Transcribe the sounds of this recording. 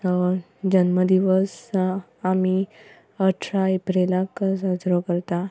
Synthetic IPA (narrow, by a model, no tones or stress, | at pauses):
d͡ʑənməd̪iʋəs | ami | əʈʰɾaepɾelakəsəd͡zɾɔkəɾt̪a